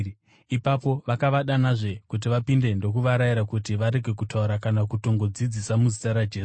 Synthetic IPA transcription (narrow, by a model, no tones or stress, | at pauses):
ipapo̞ʋakaʋaɗanaʐe̞kut̬iʋapinde̞ndo̞kuʋaɾaiɾakutiʋaɾe̞ɡʱe̞k̬utauɾakanakuto̞ŋɡo̞d͡zid͡zisamuzitaɾad͡ʒeː